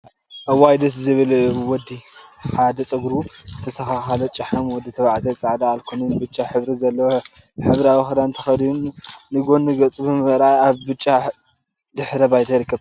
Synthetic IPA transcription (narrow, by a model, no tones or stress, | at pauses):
ʔɐwajd̪ɐs̬zɨβɨlwɔd̪ːiħad̪ɐt͡sʼɐɡɾuzɨt̪ʰɐsɐxaxalɐt͡ʃʼɐħɐmwɔd̪it̪ʰɐβaʕt̪ʰɐt͡sʼaʕd̪aːlkʰonɨnbɨt͡ʃʼːaħɨβɾizɐlːɐwo | ħɨβɾawixɐd̪ant̪ʰɐ̥xɐd̪nnɨɡo̞nːɨɡɐt͡sʼɨbɨmɐɾajaβbɨt͡ʃʼːa | d̪ɨħɾɐbajt̪ʰɐɾɨkʰːɐβ